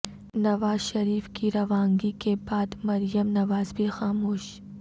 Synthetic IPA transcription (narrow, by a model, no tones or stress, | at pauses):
nɐʋaːzʃɐɾiːfkiɾɐʋãːŋɡikebaːd̪mɐɾijəmnɐʋaːzbʱixaːmoːʃ